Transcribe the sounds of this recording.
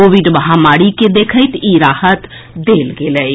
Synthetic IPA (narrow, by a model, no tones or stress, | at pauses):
oːʋiɖbəɦamaːɽiked̪eːkʰəɪt̪iɾaːhət̪ | d̪eːlɡeːlɛi